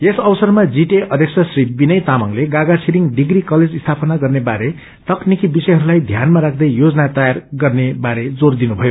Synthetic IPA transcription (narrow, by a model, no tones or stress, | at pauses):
esʌbʌsʌrmad͡ziʈeʌd̪ʱjʌksʰʌsribinʌjt̪amʌŋleɡaɡasʰiɾiŋɖiɡrikʌled͡zist̪ʰapʌnaɡʌrnebaɾe | t̪ʌknikibisʌjɦʌɾulajd̪ʱjanmaɾak̚ʰd̪ʌjjod͡zʌnat̪ʌjarɡʌrnebaɾed͡zord̪inubʱʌjo